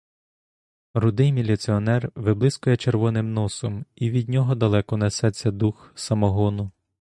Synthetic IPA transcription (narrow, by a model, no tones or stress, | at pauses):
rʊd̪ɪjmʲilʲit̪sʲiɔnɛrʋɪblˠɪskɔjɛt͡ʃerʋɔnɪmnɔsɔmiʋʲid̪ʲnʲɔɦɔd̪ɐlˠɛkɔnesɛt͡sʲːɐd̪uxsɐmɔɦɔnʊ